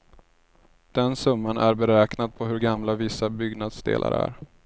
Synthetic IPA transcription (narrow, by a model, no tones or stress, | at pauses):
d̪̥ɛnsɵmːanæɾbɛɾɛːknad̪̚pʰɔɦɵɾɡamlavɪsːabʏɡnad̪sd̪ḛːlʔa̰ɾæ̰ɾ